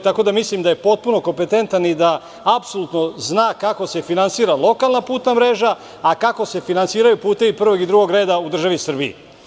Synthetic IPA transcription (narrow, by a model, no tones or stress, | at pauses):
t̪ako̞d̪amislimd̪aje̞po̞t̪̚puno̞ko̞mpe̞t̪e̞nt̪anid̪aː | psolut̪no̞znaːkako̞se̞finansiːɾalˠo̞kalˠnapuːt̪namɾe̞ːʒaː | kako̞se̞finansiːɾajupuːt̪e̞ʋipr̩ʋo̞ɡid̪ɾuɡo̞ɡɾe̞ːd̪aud̪r̩ʒaʋisr̩biḭ